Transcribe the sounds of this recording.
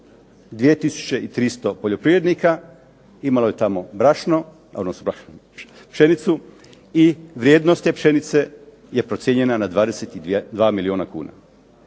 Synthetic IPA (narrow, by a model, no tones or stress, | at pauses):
d̪ʋijet̪isu̥t͡ʃe̞it̪ɾist̪o̞po̞ʎo̞pɾiʋɾed̪nika | imalo̞je̞t̪amo̞bɾaʃno | a̰nosubɾaʃno | pʃenit̪su | iʋɾje̞ːd̪nost̪e̞pʃe̞nit̪se̞ | je̞pɾo̞t̪sje̞ɲe̞nanad̪ʋaːd̪e̞set̪id̪ʋaːmilionakṵːna̰